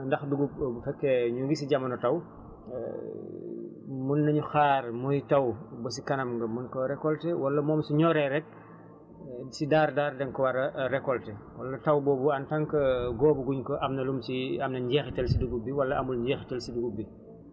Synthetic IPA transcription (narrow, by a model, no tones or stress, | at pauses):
ndɐxduɡup̚bufɛkːɛɲuŋɡisiɟɐmɐnɔtɐw̰ | munːɐɲuxaːrmujtɐwbɐs̬ikɐnɐmɡɐmunkɔɾɛkːɔltɛwɐlːɐmɔːmsiɲɔːɾɛɾɛk̚ | sidaːɾdaːɾdɛŋkɔwɐɾɐɾɛkːɔltɛwɐlːɐtɐwbɔːbuɐntɐŋkɐɡɔːbuɡuɲkɔʔɐmnɐlumsiɐmnɐɲɟɛxitɐlsiduɡubiwɐlːɐʔɐmulɟɛːxitɐlsiduɡubi